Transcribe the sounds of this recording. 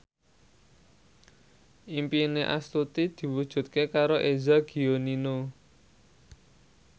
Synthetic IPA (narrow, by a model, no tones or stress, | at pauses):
ʔimpineʔa̰st̪ut̪id̪̥i̤wud̥ʒ̥ṳt̪̚kekaɾoʔezaɡ̥i̤onino